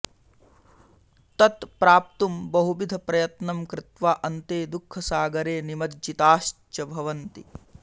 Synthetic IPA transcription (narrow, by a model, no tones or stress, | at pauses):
t̪ɐt̪pɾaːp̚t̪umbɐɦubid̪ʱɐpɾɐjɐt̪nɐmkɾɪt̪ʋaːʔɐnt̪eːd̪ukʰːɐsaːɡɐɾeːnimɐd̪d͡ʒit̪aːʃt͡ʃɐbʱɐʋɐnt̪ḭ